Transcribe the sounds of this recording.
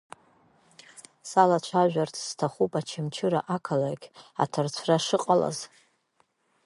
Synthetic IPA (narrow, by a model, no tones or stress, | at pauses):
salat͡ʃʷʰaʒᶣʷartʰz̥tʰaχupʼat͡ʃʰɪmt͡ʃʰɪɾaʔakʰalakʲa̰tʰart͡ɕʷʰraʂɨqʼala̰z